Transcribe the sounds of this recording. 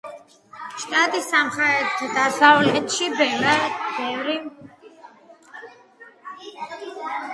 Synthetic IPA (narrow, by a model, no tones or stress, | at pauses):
ʃt̪ʼat̪ʼisamχaɾɛt̪ʰad̪asavlɛt̪ʃibɛb̥ɛvɾi